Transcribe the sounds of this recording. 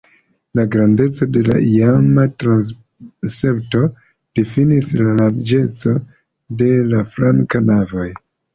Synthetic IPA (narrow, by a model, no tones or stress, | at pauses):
laɡɾande̞t͡so̞de̞la̰ijamatɾans | se̞pto̞ | d̥efinislalaɾd͡ʒe̞t͡so̞ | de̞lafɾaŋkanavo̞j